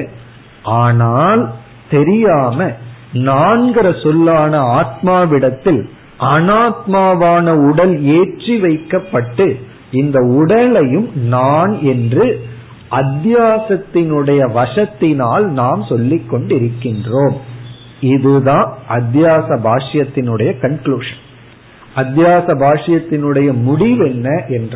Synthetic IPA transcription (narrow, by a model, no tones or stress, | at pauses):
aːnaːl | t̪ɛɾɪjaːmɐnaːnɡɪɾɐsɔlːaːnɐaːt̪̚maːʋɪɽɐt̪ːɪl | ʔɐnaːt̪̚maːʋaːnɐʊɽɐleːʈriʋɐɪkːɐpːɐʈːɯ | ɪnd̪ɐʊɽɐlɐjɯmnaːnɛndrɯ | ʔɐd̪jaːsɐt̪ːɪnɯɽɐjɐʋɐʂɐt̪ːɪnaːlnaːmsɔlːɪkːɔɳɖɪɾɯkːɪndroːm | ɪðɯðãːʔɐd̪jaːsɐbʱaːʂɐjɐt̪ːɪnɯɽɐjɐkɐnkluːʂɐn | ɐd̪jaːsɐbʱaːʂɐjɐt̪ːɪnɯɽɐjɐmʊɽɪʋɛnːɐʔɛnr